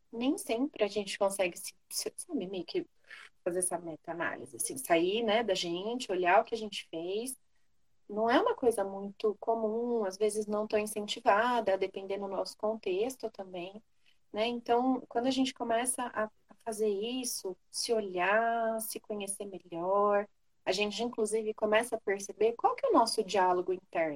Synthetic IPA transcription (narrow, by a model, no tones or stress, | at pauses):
nẽj̃sẽpɾɪaʒẽnt͡ʃɪ̥kõsɛɡɪsɪsesabɪmejʊkɪ | fazeɾɛsɐmɛt̪ɐana̰lḭzɪasĩsainɛd̪ɐʒẽt͡ʃɪoʎaʊkɪɐʒẽnt͡ʃɪ̥fejs | nɐ̃w̃ɛũmɐkojzɐmũj̃t̪ʊkomũazvezɪznɐ̃w̃t̪oĩsẽnt͡ʃivad̪ɐːd̪epẽnd̪ed̪ʊnɔsʊ̥kõnt̪est̪ʊt̪ɐ̃mbẽj̃ | nɛẽnt̪ɐ̃w̃kwɐ̃nd̪ʊɐʒẽnt͡ʃɪ̥kõmɛsɐʔaːfazeɾisʊ | sɪoʎasɪkõɲeseɾmeʎɔɾ | ɐʒẽnt͡ʃɪɪĩŋkluzivɪkõmɛsɐːpeɾsebeɾkwawkɛʊnɔsʊd͡ʒialoɡʊĩnt̪ɛɾnʊ